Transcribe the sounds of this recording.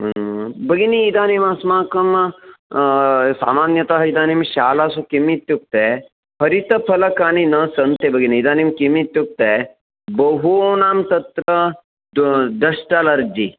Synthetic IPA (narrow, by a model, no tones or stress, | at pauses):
bɐɡiniːd̪aːnimasmaːkɐm | sa̰ːmaːnjɐt̪aɦɐid̪aːnimʃaːlasukimit̪juk̚t̪e | pʰɐɾit̪ɐpʰɐlɐkaːninɐsɐnt̪ebɐɡiniːd̪aːnimkimit̪juk̚t̪e | bɐɦuːnaːmt̪ɐt̪ɾɐ | d̪ɐʃʈaːlɐɾd͡ʒi